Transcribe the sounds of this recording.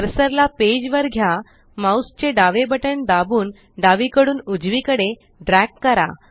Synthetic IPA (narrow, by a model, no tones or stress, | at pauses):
əɾsəɾlaped͡ʑʋəɾɡʱja | maust͡ɕeɖaʋebəʈəɳd̪abuːn | ɖaʋikəɽuːnud͡zʋikəɽe | ɖɾækːəɾa̰